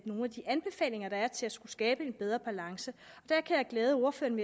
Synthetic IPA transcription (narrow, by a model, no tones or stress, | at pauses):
no̝ːnæd̥iʔænb̥e̝fɛ̰ːle̝ŋɐɾ̥ɑ̈æɐt͡sʰe̝læsɡ̥usɡ̥ɛːb̥əe̝nb̥eð̞ˠʁɐb̥ælɑ̈ŋsəɒ̽d̥æɐkʰæjɑ̈ɪɡ̥leːð̞ˠəo̝ɐfø̰ːɐnʋe